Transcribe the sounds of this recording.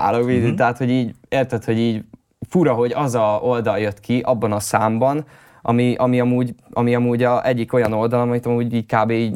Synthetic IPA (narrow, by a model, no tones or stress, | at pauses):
a̰ːloʋid̪t̪ɛɦaːt̪ho̞ɟiːɟeːrt̪ɛt̪ho̞ɟiːɟ | fuɾɒɦo̞ɟɒzɒold̪ɒljøt̪kʰiʔɒbːɒnɒsaːmbɒn | ʔɒ̰miʔɒmiɒmuːɟʔɒmiɒmuːɟɒʔɛɟːiko̞jɒno̞ld̪ɒlɒmɒmit̪ɒmuːɟiːckaːbeːiː